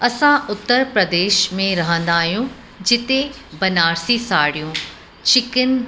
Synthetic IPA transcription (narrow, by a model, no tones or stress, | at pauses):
ɐsãʊt̪ːəɾpɾəd̪eːʃmẽɾɐɦə̃nd̪aːɦijũ | d͡ʑɪt̪e | bɐnaːɾsisaːɽijũ | t͡ɕɪkən